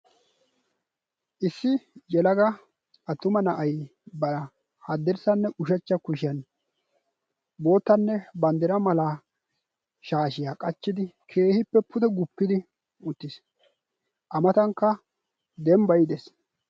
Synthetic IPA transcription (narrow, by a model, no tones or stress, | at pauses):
ʔɪsːɪjɛlɐɡɐ | ʔɐt̪ːʊmɐnɐʔɐjbɐɾɐ | hɐd̪ːɛɾsɐnːɛʔʊʃɐt͡ʃːɐkʊʃɪjɐn | bo̞ːt̪ːɐnːɛbɐnd̪ɛɾɐmɐla | ʃaːʃɪjaːkʼɐt͡ʃːɪd̪ɪ | kʰe̞ːhɪpːɛpʰʊt̪ɛɡʊpːɪd̪ɪ | ʊt̪ːɪs | ʔɐmɐt̪ɐŋkːɐ | d̪ɛmbɐjɪd̪ɛs